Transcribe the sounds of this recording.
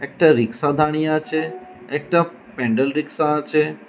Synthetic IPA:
ek̚ʈaɾɪksad̪ʱaɽ̃ijat͡ʃʰeː | k̚ʈa | pẽɳɖəlɾiksat͡ʃʰe

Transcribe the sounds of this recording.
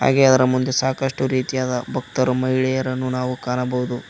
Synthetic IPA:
ha̰ːɡeɐd̪ɐɾɐmund̪esaːkɐʂʈuɾiːt̪ijaːd̪ɐbʱɐk̚t̪ɐɾumɐjɭɛjɐɾɐnːunaːʋukaːnɐbɐʋud̪u

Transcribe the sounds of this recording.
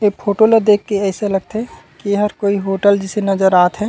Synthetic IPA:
eːkpʰoːʈoled̪eːkːeɛːselɐɡ̚t̪eɛ | kieɦəɾkoːiɦoːʈəld͡ʒɪsenɐzəɾaːt̪ɦɛː

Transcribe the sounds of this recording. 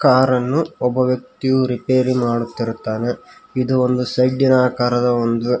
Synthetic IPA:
kaːɾɐnːuɔbɐʋjɐk̚t̪ijuɾipeːɾimaːɽut̪ːiɾut̪ːaːne̞id̪uond̪usɐjɖinaːkaːɾɐd̪ɐond̪u

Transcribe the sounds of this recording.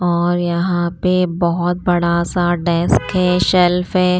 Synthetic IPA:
ɔːɾjɐɦãpebɔɦʊt̪̚bɐɽasaɖɛːskɦɛːʃɛlfɦɛː

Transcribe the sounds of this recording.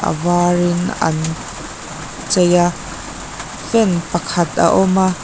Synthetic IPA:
ʔə̰vaːrɪnɐ̰n | t͡sɐja | fɛnpɐkʰɐt̪a̰ʔɔma

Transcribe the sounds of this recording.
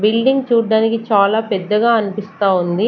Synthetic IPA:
bilɖiŋɡt͡ʃuːɖaːnikit͡ʃaːlaːpɛd̪ːɐɡaːɐnipist̪aːund̪i

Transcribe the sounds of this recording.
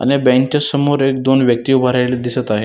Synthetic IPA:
a̰nebɛ̃ŋkt͡ɕasəmoɾekd̪onʋjək̚t̪iubʱaɾajled̪isət̪aɦe

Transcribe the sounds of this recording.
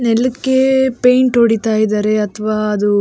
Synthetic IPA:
nɛlːɐkːepejɳʈɦoɽit̪aːjid̪aːɾe̞ɐt̪ʰʋaːɐd̪u

